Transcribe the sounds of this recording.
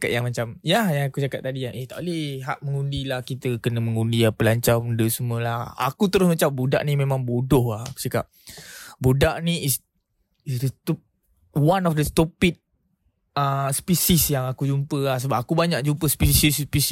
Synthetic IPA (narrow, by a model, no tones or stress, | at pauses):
akaʔ̪jaŋmat͡ʃamjajaŋakut͡ʃakaʔ̚t̪adiaʔeht̪aʔolɛhɦaʔ̚məŋundilahkit̪əkənəməŋundiapəlaɲt͡ʃamundəsəmuəlaha̰kut̪əɾʊsmat͡ʃambuda̰ʔnimemãŋbodʊhahaku̥t͡ʃakap̚budaʔniːs | isdət̪ | wanɔfdəst̪ɔpit̪̚ | əspisisjaŋakud͡ʒumpəahs̬əbap̚akubaɲak̚d͡ʒumpəspisispis